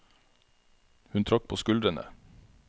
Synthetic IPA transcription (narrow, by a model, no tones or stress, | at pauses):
hʉnt̪ʰɾɑk̚pʰoːskʉld̪ɾənə̰